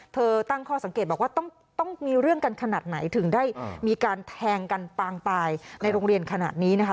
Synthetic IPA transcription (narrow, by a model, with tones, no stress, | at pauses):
t̪ʰɤː˧t̪a˥˩ŋkʰɔː˥˩sa˩˦ŋkeː˨˩t̪̚bɔː˨˩k̚waː˥˩t̪ɔ˥˩ŋ | t̪ɔ˥˩ŋmiː˧ɾɯ˥˩əŋka˧nkʰa˧naː˨˩t̪̚na˩˦jt̪ʰɯ˩˦ŋdaː˥˩jmiː˧kaː˧nt̪ʰɛː˧ŋka˧npaː˧ŋt̪aː˧jna˧jɾoː˧ŋɾi˧ənkʰa˧na̰ː˨˩t̪̚niː˦˥na˦˥kʰ